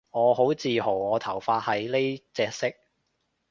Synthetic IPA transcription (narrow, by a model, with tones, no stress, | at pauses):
ŋɔː˨˧ɦo˨˥wt͡siː˨ɦo˨˩wŋɔː˨˧t̪ʰɐ˨˩wfaː˧t̚hɐ˨jle˥t͡sɛː˧k̚sɪ˥k̚